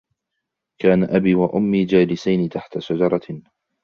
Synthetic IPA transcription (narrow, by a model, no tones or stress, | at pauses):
kaːnaʔabiːwaʔʊmːiːd͡ʒaːlɪsajnɪt̪aħt̪asʊd͡ʒɑɾˤɑ